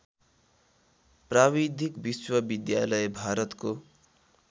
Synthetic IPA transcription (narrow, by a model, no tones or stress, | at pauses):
prabid̪ʱikbiswʌbid̪jalʌjebʱaɾʌt̪ko